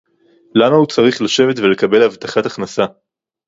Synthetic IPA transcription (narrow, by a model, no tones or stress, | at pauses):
lamahut͡saʁiχlaʃe̞vet̪vele̞kabe̞lavt̪aχataχnasa